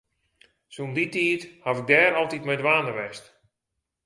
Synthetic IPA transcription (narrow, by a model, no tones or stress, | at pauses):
sunditiːthafɪɡ̚dɛːɾɔlˠtitmɛjdʋaːnəʋɛst